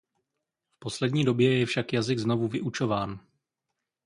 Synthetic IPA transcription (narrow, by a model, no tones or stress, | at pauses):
fpo̞slɛdɲiːdo̞bjɛjɛfʃakjazɪɡzno̞vuvɪʔut͡ʃo̞vaːn